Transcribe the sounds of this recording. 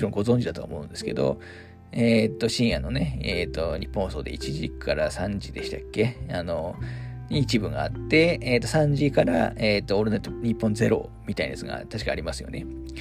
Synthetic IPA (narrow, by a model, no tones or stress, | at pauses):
iɾõŋɡo̞zõ̞ɲ̟d͡ʑid̪at̪o̰ːmo̞ɯ̟̃nd̪e̞sɨ̥ke̞d̪o̞̰ | eːt̪ːo̞ɕĩɰ̃janːo̞ne̞eːt̪o̞ɲ̟ʲipːõhoso̞̰ːd̪e̞̰it͡ɕiʑikʰaɾasãɲ̟d͡ʑid̪e̞ɕi̥t̪akːe̞ano̞ɲiːt͡ɕibɯ̟ŋɡaat̪ːe̞eːt̪o̞sãɲ̟d͡ʑikaɾa̰eːt̪ːoːɾenot̪ːoɲ̟ipːõ̞nze̞ɾo̞̰mʲit̪ain̰d̪esɨɡa̰t̪aɕi̥ka̰aɾʲimasɨjo̞̰ne̞